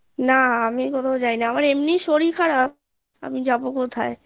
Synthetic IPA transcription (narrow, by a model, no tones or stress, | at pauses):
naamikot̪ʰad͡ʑajnaamaɾemniʃoɾikʰaɾap̚ | a̰mid͡ʑabokot̪ʰae